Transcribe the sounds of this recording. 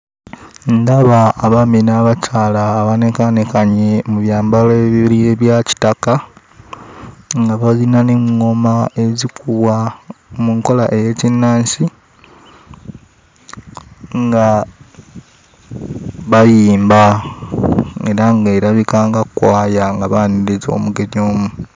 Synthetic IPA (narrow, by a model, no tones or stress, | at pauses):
ndaβaːβaminaβat͡ʃaːlaːβane̞kanekaɲemuβjaːmbaloeβiβilieβjaci̥taka | ŋɡaβazinaneŋŋo̞mae̞zikʰuβwamuŋko̞laʔe̞jecinːaːnsi | ŋɡa | βajiːmba | e̞ɾaŋɡeɾaβikaːŋɡakwaːjaŋɡaβaniɾizo̞̰ːmuɡe̞ɲo̞ːmu